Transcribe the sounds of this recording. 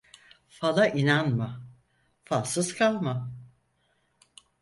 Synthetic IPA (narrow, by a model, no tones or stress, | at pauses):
falˠaʔinanma | fasɯzkʰalˠma